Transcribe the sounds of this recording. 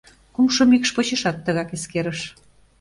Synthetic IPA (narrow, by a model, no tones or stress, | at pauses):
kumʃɤmikʃpot͡ɕeʃɑt̪ːəɣɑkeskeɾəʃ